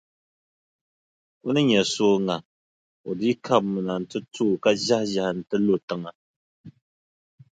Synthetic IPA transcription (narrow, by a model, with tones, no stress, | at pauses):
u˦nɨ˦ɲɛ˨soː˦ŋa˨ | o˨di˦kʰa˦pmɨ˨na˨n̩˨tɨ˦tʰuː˦˨ka˦ʒa˦hʒa˨hn̩˨tɨ˦lo˦tɨ˦ŋa˨